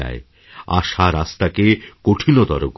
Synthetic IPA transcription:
a̰e | a̰ʃaɾast̪akekoʈʰinod̪ɔɾok

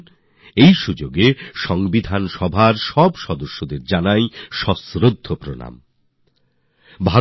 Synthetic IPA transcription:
ejʃud͡ʑoɡeʃɔŋbid̪ʱanʃɔbʱaɾʃɔbʃɔd̪oʃːod̪eɾd͡ʑanajʃɔsɾod̪ʱːopɾona̰m | bʱa

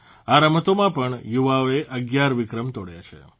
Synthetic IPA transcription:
aɾəmət̪omãpəɳjuʋaoeʔəɡjaɾʋɪkɾəmt̪oɽja̰t͡ʃʰḛ

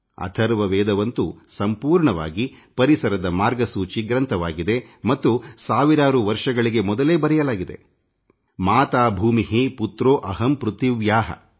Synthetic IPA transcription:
ɐ̰t̪ʰɐɾʋɐʋɛːd̪ɐʋɐnt̪usɐmpuːɾɳɐʋa̰ːɡipɐɾisɐɾɐd̪ɐmaːɾɡɐsuːt͡ʃiɡɾɐnt̪ʰɐʋaːɡid̪e̞mɐt̪ːusaːʋiɾaːɾuʋɐɾʂɐɡɐɭiɡe̞mɔd̪ɐle̞ːbɐɾɛjɐlaːɡid̪e̞̰ | maːt̪aːbʱuːmiɦiput̪ɾoːʔɐɦɐmpɾut̪iʋjaːɦɐ̰

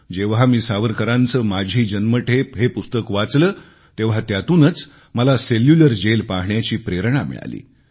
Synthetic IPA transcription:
d͡ʑeʋɦamiːsaʋəɾkəɾãnt͡səːmad͡ʑʱiːd͡ʑənməʈʰepɦepust̪əkʋat͡sləː | t̪eʋ̤at̪jat̪uːnət͡s | məlaseljuləɾd͡ʑelpaɦɳjat͡ɕiːpɾeɾɳamḭɭa̰lḭː

